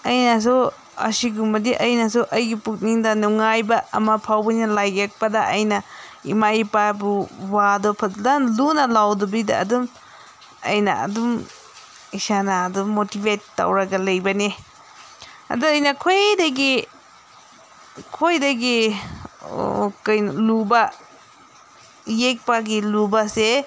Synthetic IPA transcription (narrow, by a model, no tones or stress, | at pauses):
ɐjnɐs̬u | ɐ̰siɡumbɐdiʔɐjnɐsuʔɐjɡipuk̚niŋdɐnuŋajbɐɐ̰mɐpʰawbɐjnalajɡek̚pɐdɐʔɐjnɐḭmaipabuwadɔpʰɐtlanlunɐlawdubidɐ̰ɐ̰dum | ɐ̰jnɐ̰ɐ̰dum | isanaːdumːotibetːa̰wɾaɡɐlɐjbɐni | ɐ̰duɐjnɐkʰojdaɡi | kʰojdɐɡi | kɐjnluba | jek̚paɡilubase